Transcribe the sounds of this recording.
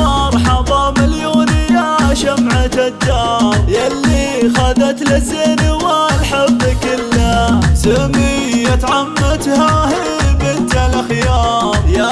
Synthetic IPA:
ɑɾˤħɑðˤɑmɪljuːnɪjaʃamʕat̪ad̪ːaːmjalːixad̪at̪lɪzinwalħabːkɪlːasɪmi | jat̪ʕamːat̪hahi | bɪnt̪alaxjaja

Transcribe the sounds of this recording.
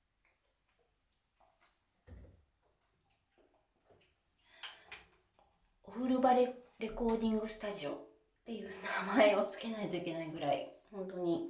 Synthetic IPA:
oɸɯ̟ɾɯ̟baɾɾe̞ko̞ːd̪ʲĩŋɡɯ̟sɨ̥t̪aʑio̞ | t̪e̞jɯ̟ːnamae̞o̞t͡sɨ̥ke̞nait̪o̞ikʲe̞naiɡɯ̟ɾaihõ̞nt̪o̞ɲ̟i

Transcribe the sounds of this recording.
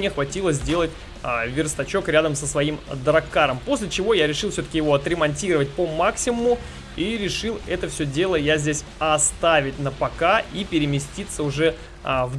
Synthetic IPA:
ɪxvɐtʲilˠəzʲdʲe̞lˠətʲ | vʲɪrst̪ɐt͡ɕo̞kɾʲad̪əmsəsvɐimd̪ɾɐkːaɾəmpo̞sʲlʲɪt͡ɕɪvo̞jaɾʲɪʂɨlˠfʲsʲoə̥kʲɪjɪvo̞ɐt̪ɾʲɪmɐnʲtʲiɾəvət̚ʲpəmaksʲɪmʊmʊ | iɾʲɪʂɨlˠɛt̪əfsʲɵdʲe̞lˠəjazʲdʲesʲɐst̪avʲɪt̚ʲnəpɐkaipʲɪɾʲɪmʲɪsʲtʲit̪səʊʐɛ | v

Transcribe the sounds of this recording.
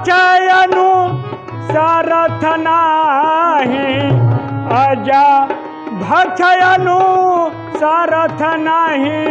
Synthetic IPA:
t͡ʃʰajɐnu | saɾɐt̪ʰɐna | ɦĩ | ad͡ʒa | bʱɐt͡ʃʰɐjɐnu | saːɾɐt̪ʰɐnaɦi

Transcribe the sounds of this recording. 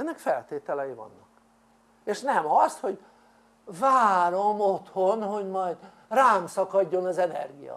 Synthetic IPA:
ɛnːɛkfɛlt̪eːt̪ɛlɛjivɒ̰nːɒk | eːʃnɛmɒst̪ho̞ɟ | vaːɾo̞mot̪ho̞nɦo̞ɟmɒjd̪ | raːmsɒkɒɟːo̞nɒzɛnɛ̰rɡijɒ̰

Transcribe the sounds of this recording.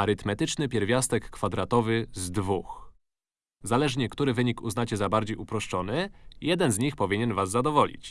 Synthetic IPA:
aɾɘt̪mɛt̪ɘt͡ʂnɘpʲjɛɾvʲjast̪ɛkːfad̪ɾat̪ɔvɘzd̪vux | zalɛʐɲɛkt̪uɾɘvɘɲikṵznat͡ɕɛzabaɾd͡ʑejupɾɔʂt͡ʂɔn̪ɘjɛd̪ɛnzɲixpɔvʲiɲɛnvazːad̪ɔvɔlʲḭt͡ɕ

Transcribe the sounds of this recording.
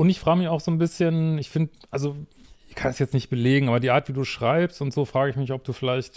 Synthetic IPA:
ʔʊntɪçfʁ̥aːɡəmɪçaʊxz̥oːnbɪsçənɪçfɪndəʔalzoɪçkʰanɛsjɛt͡stnɪçt̚b̥əleːɡŋ̩aːbɐdiːʔaːɐtv̥iːduːʃʁ̥aɪpstʊntz̥oːfʁ̥aːɡəɪçmɪçɔp̚d̥uːfɪlaɪçt

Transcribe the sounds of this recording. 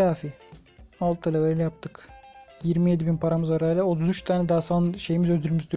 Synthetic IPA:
aːfi | alˠt̪ʰːelʲaveɾʲjap̚t̪ʰɯkjiɾmije̞d̪ibinpʰaɾamɯzaɾaːjilʲɛot̪ʰuzyt͡ʃt̪ʰaːnɛd̪aːsanʃe̞jimizød̪yɾʲmyzd̪y

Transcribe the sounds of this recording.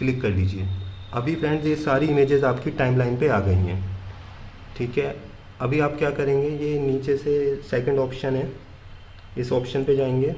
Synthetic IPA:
klɪkːɐɾliːd͡ʒieː | ɐbʱipʰɾɛ̃ːɳɖzjesaːɾiɪmeːd͡ʒɪzaːpkiʈaːɪmlaːɪnpeaːɡɐḭɦɛ̰̃ː | ʈʰiːkɦɛː | ɐbʱiaːpkjaːkɐɾẽːŋɡejeniːt͡ʃesesɛːkə̃ɳɖɔːpʃənɦɛː | ɪsɔːpʃənped͡ʒaːẽːŋɡeː

